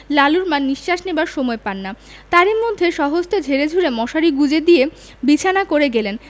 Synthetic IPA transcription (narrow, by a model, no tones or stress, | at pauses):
laluɾmanːiʃʃaʃnebaɾʃomɔepanːa | t̪aɾiɾmod̪ʱːeʃɔɦost̪od͡ʑʱeɾed͡ʑʱuɾemɔʃaɾiɡud͡ʑed̪ije | bit͡ɕʰanakoɾeɡelen